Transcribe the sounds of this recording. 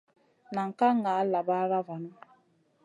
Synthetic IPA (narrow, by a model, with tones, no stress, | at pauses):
na˨ŋ̩˨ka˦ŋ˨a˨˦la˨ba˦ɾa˦va˨na˦